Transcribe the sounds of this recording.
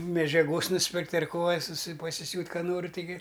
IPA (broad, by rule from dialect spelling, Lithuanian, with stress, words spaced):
mʲɛd͡ʒʲɛˈɡoːs nʊsʲˈpʲɪrktʲ ɐr ˈkoː ɐ sʊˈsʲɪ pɐsʲɪˈsʲuːtʲ ˈkɑː ˈnoːrʲɪ tɐɪˈɡʲɪ